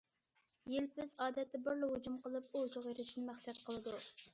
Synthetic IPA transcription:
jelpʰyzɑːd̪ɛt̪ʰːɪbɪɾlɪhud͡ʒumqəlˠɨpuzʊʁeɾɪʃinɪmæχsɛt̪̚qʰəlˠɨd̪u

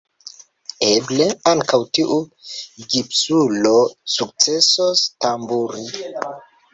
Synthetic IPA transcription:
eble̞aŋkawtiʔuɡipsulo̞suk̚t͡se̞sostambuɾi

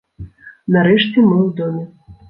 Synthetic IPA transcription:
naɾɛʂt͡sʲɛmɨwd̪ɔmʲɛ

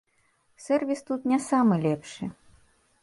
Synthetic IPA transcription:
sɛrvʲist̪ut̪nʲasamɨlʲɛpʂɨ̰

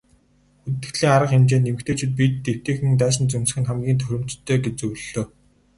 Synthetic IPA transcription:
xut̪ɘ̆t̪ːɘ̆kt̪ɮiːŋaɾə̆qxemt͡ɕeːnːemɘ̆kt̪ʰeːt͡ɕʰit̪̚pit̪ːew̥t̪eːxɘ̆ŋt̪æːʃə̆nt͡sɵnsɘ̆xɘ̆nχæmɡʲiːnt̪ʰɵɾʲɪ̆mt͡ɕt̪ʰːœːɡet͡ɕt͡sɵwɮoː

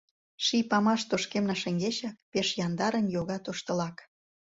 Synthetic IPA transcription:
ʃipɑmɑʃt̪oʃkemnɑʃə̆ŋɡeʃɑk̚peʃjɑnd̪ɑɾə̆njoɣɑt̪oʃt̪ə̆lɑk

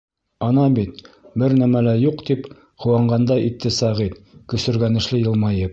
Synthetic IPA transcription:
ɑnɑbit̪bɘɾnæmælæjuqt̪ip | hŏwɑɴɢɑnd̪ɑʔit̪ːɘsɑʁit̪kɵ̆sɘ̆ɾɡænɘ̆ʃlɘjɤ̆lˠmɑjɤp̚

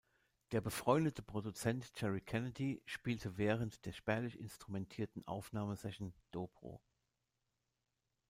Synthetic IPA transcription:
d̥eːɐbəfʁ̥ɔʏndətʰəpʁ̥odut͡sɛntt͡ʃɛʁikʰɛnədiʃpiːltʰəvɛːʁəntd̥eːɐʃpɛɐlɪçɪ̰nstʁ̥umɛntʰiːɐtn̩ʔa̰ʊfnaːməzɛʃn̩d̥oːpʁ̥o̰ː

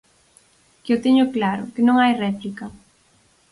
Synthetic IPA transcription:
kewt̪ɛɲʊklaɾʊkɪnõŋajrɛplika

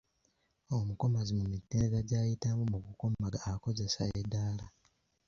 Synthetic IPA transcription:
o̞muko̞mazimumitːeːnezaɟaːjitamumukukomaɡaːko̞ze̞sa̰edːaːla

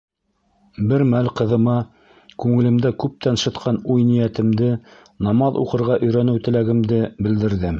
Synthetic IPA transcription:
bɘɾmælqɤ̆ðɤ̆mɑ | kʉŋɘ̆lɘ̆md̪ækʉp̚t̪ænʃɤ̆t̪qʰɑnujnijæt̪ɘ̆md̪ɘ | nɑmɑðṵqɤ̆ɾʁɑʔɵ̆jɾænɘwt̪ɘ̆læɡɘ̆md̪ɘbɘ̆ld̪ɘ̆ɾðɘm

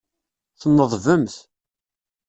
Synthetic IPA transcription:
θənːəðˤvəmθ

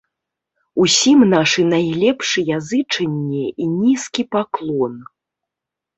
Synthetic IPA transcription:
usʲimnaʂɨnajlʲɛpʂɨjazɨt͡ʂɐnʲːɛinʲiskʲipaklˠɔn

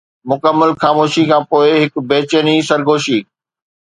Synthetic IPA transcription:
mʊkəmːəlxaːmoːʃikʰãːpoːɪɦɪkbeːt͡ɕənisɐɾɡoːʃiː

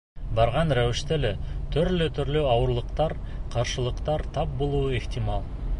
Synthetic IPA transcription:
bɑɾʁɑnɾæwɪʃt̪elet̪ʰɵɾløt̪ʰʏɾløwɑwəɾlˠəqt̪ɑɾ | qʰɑɾʃəlˠəqt̪ɑɾt̪ʰɑp̚bo̞lˠuːəext̪ʲimɑlˠ

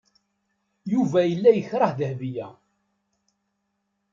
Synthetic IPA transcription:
juvæjəlːæjəçɾˤəhðəhvijæ

